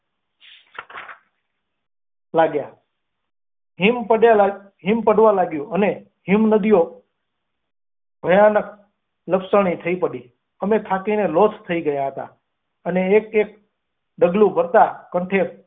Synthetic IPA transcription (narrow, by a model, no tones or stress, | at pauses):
laɡja | ɦimpəa | ɦimpəɽʋãlaɡjũʔəne | ɦimnəd̪ijo | b̥ʱəjanək̚ | ləpsəɽ̃it̪ʰəipəɽi | əmet̪ʰakinelotʰt̪ʰəiɡəjaɦət̪a̰ | əneːkek̚ | ɖəɡlũbʱəɾt̪akə̃ɳʈʰeɾ